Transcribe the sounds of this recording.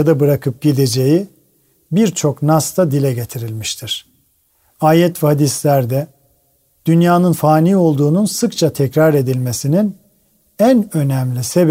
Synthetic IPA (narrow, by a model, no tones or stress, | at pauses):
ad̪abɯɾakʰɯp̚ɟid̪e̞d͡ʒe̞ji | biɾt͡ʃʰo̞knast̪ʰad̪ilʲɛɟe̞t̪ʰiɾilʲmiʃt̪ʰiɾ̥ | aːjɛt̪vɛhad̪islʲæɾd̪ɛ | d̪̥ynjaːnɯnfaːnijo̞lˠd̪uːnunsɯkt͡ʃʰat̪ʰɛcɾaɾe̞d̪ilʲme̞sinin | ænø̞næmlʲise̞b